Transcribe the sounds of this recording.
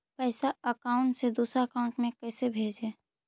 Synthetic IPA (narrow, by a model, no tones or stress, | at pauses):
pɛːɪsaəkaːʊ̃ɳʈsed̪uːsɾaəkaʊ̃ɳʈmẽkɛːsebʱeːd͡ʒeː